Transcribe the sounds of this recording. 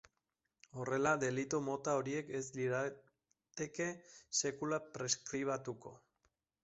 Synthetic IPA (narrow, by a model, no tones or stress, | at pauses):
o̞re̞laðe̞lit̪omo̞t̪ao̞ɾie̞ke̞zliɾa | t̪e̞ke̞se̞kulapɾe̞skɾiβ̞at̪uko̞̰